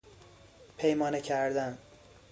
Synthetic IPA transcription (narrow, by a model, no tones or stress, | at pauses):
pʰejmɒːnecʰæɾd̪æn